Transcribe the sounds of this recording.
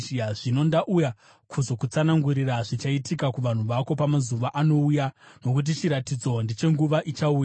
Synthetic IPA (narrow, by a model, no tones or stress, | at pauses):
ʐino̞ndaʔuja | kʰuzo̞kut͡sanaŋɡuɾiraʐit͡ʃaitikakuʋan̤uʋako̞pamazuʋaʔano̞ujano̞kut̬it͡ʃiɾatid͡zo̞ndit͡ʃe̞ŋɡuʋaʔit͡ʃauja